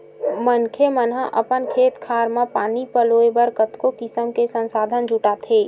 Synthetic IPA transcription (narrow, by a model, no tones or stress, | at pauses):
mənkʰemənɦəʔə̰pənkʰeːt̪kʰaːɾmãpaːnipəloːebəɾkət̪kokɪsəmkesə̃nsaːd̪ʱənd͡ʒʱuʈat̪ʰeː